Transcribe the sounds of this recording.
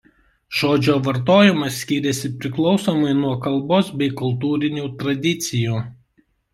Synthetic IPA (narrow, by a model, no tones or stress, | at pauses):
ʒ̥oːd͡ʒʲoːʋɐɾt̪oːjɪmɐsʲkʲiːɾʲɛsʲɪpʲɾʲɪklˠɒʊsoːmɐɪnuɔkɐlˠˑboːsbʲɛɪkʊlˠt̪uːɾʲɪnʲuːt̪ɾɐd̪ʲɪt̪sʲɪjuː